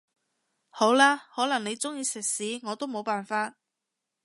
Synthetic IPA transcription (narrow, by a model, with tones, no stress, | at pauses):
ho˨˥wlaː˥hɔː˨˥lɐ˨˩ŋne˨˧jt͡sʊ˥ŋjiː˧sɪ˨k̚siː˨˥ŋɔː˨˧t̪o˥wmo˨˧wpaː˨nfaː˧t̚